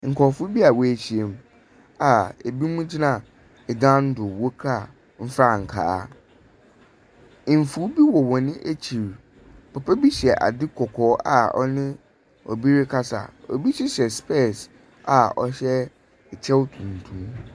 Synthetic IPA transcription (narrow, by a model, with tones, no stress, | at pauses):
ŋ̩˨kʰɔ˨fʊ˦bi˦a˨wɔ˨æ˨ɕi˨e˨m˦ | a˨e˨bi˦mũ˦d͡ʑi˦nã˦˨ | ɛ˨dã˦n̩˦dʊ˨wo˦kʰa˦˨ | m̩˦fɾa˦˨ŋ̩˨kʰa̰ː˨a̰˦˨ | m̩˨fu˦bi˦wɔ˨wɔ˨nɪ̃˦ʔe˦t͡ɕʰi˨ɾ | pʰɔ˨pʰɛ˦bi˦ɕɛ˨ʔa̰˨dɪ˦kʰɔ˨kʰɔː˦a̰˨ɔ̰˦nɪ̃˦ | ɔ̰˨bi˦ɾɪ˦kʰa˦sa̰˨ɔ̰˨bi˦ɕɛ˦ɕɛ˨spɛ˦˨s | a˨ɔ̰˨ɕɛ˦˨ | t͡ɕʰɛ˦wtʰũ˨n˨tʰũ˦m